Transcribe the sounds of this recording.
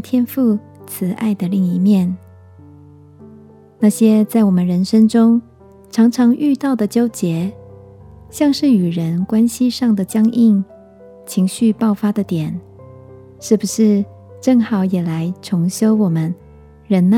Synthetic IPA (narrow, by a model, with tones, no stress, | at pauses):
t̪ʰjɛ˥nfu˥˩ | t͡sʰɹ̩˧˥ʔa̰˥˩ɪd̪ə˩li˥˩ŋi˧˥mjɛ˥˩n | na˥˩ɕjɛ˥t͡sa˥˩ɪwɔ˨˩mə˧˦nɻə˧˥nʂə˥ŋʈ͡ʂʊ˥ŋ | ʈ͡ʂʰɑ˧˥ŋʈ͡ʂʰɑ˧˥ŋʔy˥˧t̪ɑ˥˩ʊd̪ə˩t͡ɕjo˥ʊt͡ɕjɛ˧˥˦ | ɕjɑ˥˧ŋʂɻ̩˥˩y˨˩ɻə˧˥nkwa˥nɕi˥ʂɑ˥˩ŋd̪ə˩t͡ɕjɑ˥ŋi˥˩ŋ | t͡ɕʰi˧˥ŋɕy˥˧pɑ˥˩ʊfa˥d̪ə˨t̪jɛ˨˩˦n | ʂɻ̩˥˩bu˨˩ʂɻ̩˥˩˧ | ʈ͡ʂɤ˥˩ŋxɑ˨˩˦ʊjɛ˨˩la˧˦ɪʈ͡ʂʰʊ˧˥ŋɕjo˥ʊwɔ˨˩mə˦n | ɻə˧˥nna˥